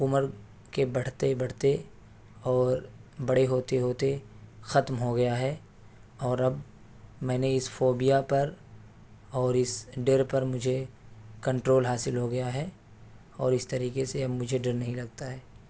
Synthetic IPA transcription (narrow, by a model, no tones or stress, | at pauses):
ʊməɾ | kebɐɽ̤t̪ebɐɽ̤t̪e | ɔːɾbɐɽeɦoːt̪eɦoːt̪e | xɐt̪mɦoɡɐjaɦɛː | ɔːɾɐb | mɛ̃ːneɪsfoːbijapɐɾ | ɔːɾɪsɖeːɾpɐɾmʊd͡ʒʱekɐ̃ɳʈɾoːlɦaːsɪlɦoɡɐjaɦɛː | ɔːɾɪst̪ɐɾiːkeseɐbmʊd͡ʒʱeɖɪɾnɐɦĩlɐɡt̪aɦɛː